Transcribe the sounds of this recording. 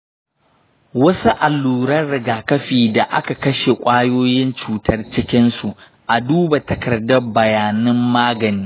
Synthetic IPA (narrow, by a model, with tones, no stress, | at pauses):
wɐ˦su˦ʔa˨lːuː˨ɾɐ˦rɽɪ˨ɡaː˨kɐ˦ɸiː˨da˨ʔa̰˦ka˨kɐ˦ʃe˨kʷʼaː˦joː˦jɪ˦nt͡ʃuː˨tʰɐ˦rt͡ʃɪ˦kʲɪ˦nsu˨ | ʔa˨duː˦ba˨tɐ˨kɐ˨rdɐ˦bɐ˨jaː˨nɪ˦mːaː˦ɡɐ˨niː˦